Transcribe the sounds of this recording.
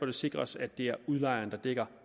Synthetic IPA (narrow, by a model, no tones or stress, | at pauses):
ɒd̥e̝se̝ɡ̥ʁɐsæd̥ːe̝æɐuðˠlɑ̈ɪɐnd̥ɑ̈d̥eɡ̥ɐ